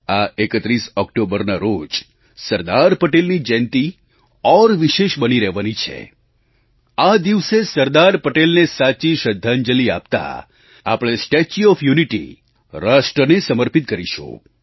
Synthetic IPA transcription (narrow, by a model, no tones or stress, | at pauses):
aekət̪ɾisɔkʈobəɾnaɾod͡ʒ | səɾd̪aɾpəʈelnid͡ʒɛ̃nt̪i | ɔɾʋiʃeʃbəniɾɛɦʋanit͡ʃʰḛ | ad̪iʋsesəɾd̪aɾpəʈelnesat͡ʃiʃəd̪ʱːand͡ʒəlia̰p̚t̪a̰ | a̰pɽ̃esʈet͡ʃiɔfjuniʈḭ | ɾaʃʈɾənesəməɾpit̪̚kəɾiʃṵ̃